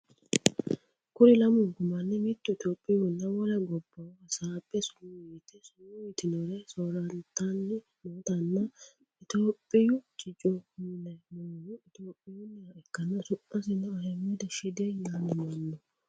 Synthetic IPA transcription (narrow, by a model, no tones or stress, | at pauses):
kʊɾɪlɐmʊɡʊmɐnːɛmɪt̪ːʊɪt̪oːpʼːɪjʊnːɐwɔlɐɡɔbːɐɐsaːbʼːɛsʊnːuit̪ɛsʊnːʊjɪt̪ɪnɔɾɛsoːɾɐnt̪anːɪ | moːt̪ɐnːɐ | ɪt̪oːpʼːɪjʊt͡ʃʼɪt͡ʃʼɔhnɛmoːjʊɪt̪oːpʼːɪjʊnːɪaɛkːɐnːɐsʊʔɐsɪnɛɐhɛmɔd̪ɐʃɪd̪enanɪmɐnːɔ